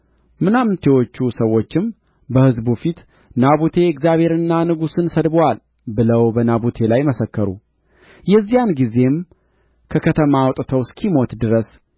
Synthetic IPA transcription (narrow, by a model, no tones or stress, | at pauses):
mɨnamɨnt̪ʰe̞wo̞t͡ʃːusəwːo̞t͡ʃːɪm | bəhɨzbufit̪ | naβut̪ʰe̞ɛkzjaβhe̞ɾɨnːanɨɡusɨnsəd̪bwal | bɨləwbənabut̪ʰe̞lajməsəkːəɾṵ | jɛzːijanɡize̞m | kʰəkʰət̪ʰəmawt̪ʼt̪ʰəwskʰimo̞t̪d̪ɨɾəs